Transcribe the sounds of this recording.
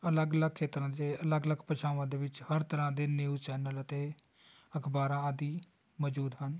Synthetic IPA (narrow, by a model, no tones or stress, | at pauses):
ələɡələɡ̚kʰːeːt̪ɾãːd̪eːələɡələɡpət͡ʃʰaːʋãːd̪eːʋɪt͡ʃhəɾt̪əɾãːd̪eːniut͡ʃɛːnələt̪eː | əkʰbaːɾãːad̪iː | mɔːd͡ʒuːd̪ɦən